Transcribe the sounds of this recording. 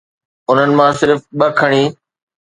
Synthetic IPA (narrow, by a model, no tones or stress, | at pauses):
ʊn̤ənɪ̆mãsɪɾfɓɐkʰɐɽ̃iː